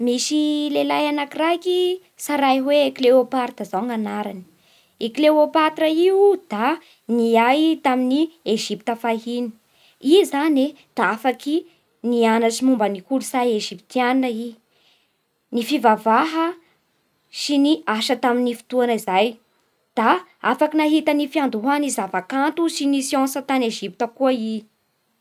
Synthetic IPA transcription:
misilelajanakiraki | saɾajɦwekleopaɾd̪̥azaŋanaɾani̥ | ikileopat̪ɾəid̪̥a | niajt̪aminieʒipit̪əfaɦini̥ | izaned̪̥aafaki | nianaʈ͡ʂimumbənikulusajeʒipit̪janinəi | nifivavaɦə | siniaʃət̪aminifi̥t̪uanəizaj | d̪̥aafakinaɦit̪ənifiand̪uɦanizavakant̪usinisiɔ̃nsət̪aneʒip̚t̪əkuəi

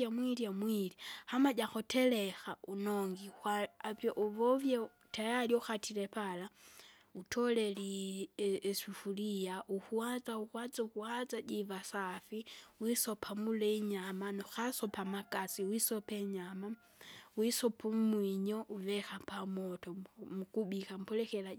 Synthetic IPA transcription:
amwilijamwilihamaɟaxotɛlɛxaunoŋɡixaavjɔʔuvɔvja | tajaliuxatʰilɛpala | utʰɔlɛli | sifulijaʔuhuazauxwad͡zauhuazad͡ʒivasafiwisɔpʰamulɛiɲamanuxasɔpamakasiwisɔpɛɲama | wisɔpummwiɲɔʔuvɛxapamɔtɔmukubikam̩pɔlɛxɛla

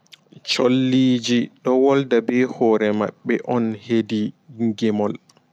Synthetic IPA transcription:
t͡ʃolːiːd͡ʒiɗɔwɔldabɛhɔːɾɛma̰ɓːɛʔɔnhediŋɡɛmɔl

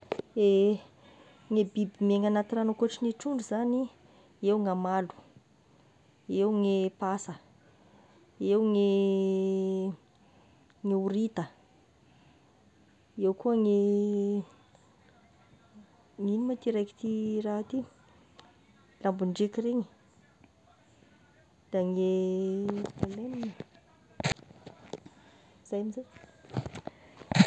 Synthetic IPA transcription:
e | ŋebibimeŋanat̪iranəkuʈ͡ʂiniʈ͡ʂuɳɖ͡ʐuzani | ewŋamalu̥ | ewŋepasə | ewŋe | ŋeuɾit̪ə | ewkuəŋe | ŋinimat̪iɾajki̥t̪iraat̪i | lambuɳɖ͡ʐekireɲi | d̪̥aŋe | elenin | z̥ajamize

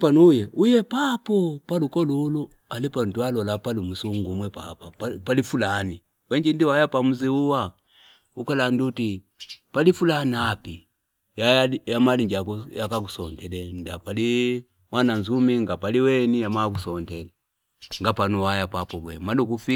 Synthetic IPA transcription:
panujɛujɛpapɔpalukɔlulu | alipantualɔlapalumusuŋɡumwɛpa̰papalifulani | wɛɲd͡ʒindiwajapamuziuwa | ukalanduti | palifulanapi | jajajamaliɲd͡ʒakjakak̬usɔntɛlɛndapali | mwananzumiŋɡapaliwɛnijamak̬usɔntɛlɛ | ŋɡapanuwajapapɔbwɛ̰malukufi

